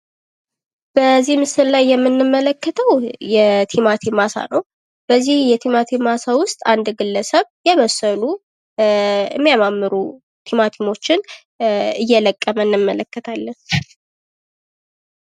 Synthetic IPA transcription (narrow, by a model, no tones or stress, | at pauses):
b̥əzːihmɨsɨllajːɛmːɨnːɨmːələkːət̪ʰəwjɛt̪ʰimat̪ʰimasa̰nəw | b̥əzːihjɛt̪ʰimat̪ʰimasawʊst̪ʼand̪ɡɨlːəsəβjɛβəsːəlu | ɨ̰mːijamamːɨɾu | t̪ʰimat̪ʰimo̞t͡ʃːɪn | ɨjːɛləkʼːəmənːɨmːələkːət̪ʰalːən